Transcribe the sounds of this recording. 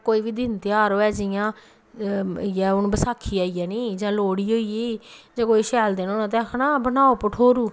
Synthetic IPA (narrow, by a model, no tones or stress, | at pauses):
koːiːʋiːd̪ɪnt̪ɪjaːɾoːɛːd͡ʒɪjãː | ɛːʊñːbəsaːkʰːiːaːiɛːneːd͡ʒãːloːɽiːɦoːiːeːd͡ʒãːkoːiːʃɛːld̪eːnoːnãːt̪̬ɛːkʰnaːbənaːoːpəʈʰoːɾuː